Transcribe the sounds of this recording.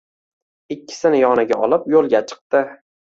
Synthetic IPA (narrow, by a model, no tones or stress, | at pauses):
ɪkʲːɪ̥sɪnɪjɒnɪɡʲaɒlˠɪpjolˠɡʲat͡ʃʰɨ̥q̚t̪ɪ